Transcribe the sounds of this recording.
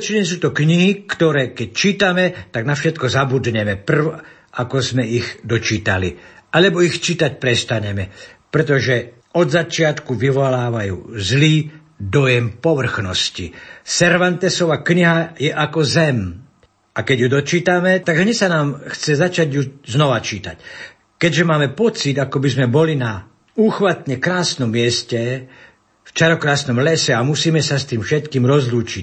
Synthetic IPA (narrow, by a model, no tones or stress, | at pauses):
t͡ʃiɲɛs̬uːt̪ɔkɲiɦikt̪ɔɾɛːkɛc̚t͡ʃiːt̪amɛt̪aɡnafʃɛt̪kɔzabud̪ɲɛmɛpr̩ʋ | akɔzmɛiɣd̪ɔt͡ʃiːt̪a̰lialɛbɔixt͡ʃiːt̪ac̚pɾɛst̪aɲɛmɛpɾɛt̪̬ɔʒɛ | ɔd̪zat͡ʃɪat̪kuʋiʋɔlaːʋajṵːzliː | d̪ɔjɛmpɔʋr̩xnɔscḭsɛɾʋant̪ɛsɔʋaːkɲiɦajɛʔakɔzɛm | ʔakɛɟjud̪ɔt͡ʃiːt̪amɛt̪aɡɦɲɛsanaːmxt͡sɛzat͡ʃaɟjuznɔʋat͡ʃiːt̪a̰c | kɛɟʒɛmaːmɛpɔt͡sid̪akɔbizmɛbɔlina | uːxʋat̪ɲɛkɾaːsnɔmːɪɛscɛ | ft͡ʃaɾɔkɾaːsnɔmlɛsɛamusiːmɛsast̪iːmfʃɛt̪kiːmɾɔzluːt͡ʃic